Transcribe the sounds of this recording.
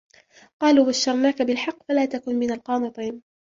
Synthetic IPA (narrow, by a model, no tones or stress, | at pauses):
qɑːluːbaʃːɑɾˤnaːkabɪlħɑqːfalaːt̪akʊnmɪnalqɑːmɨt̪ˤiːn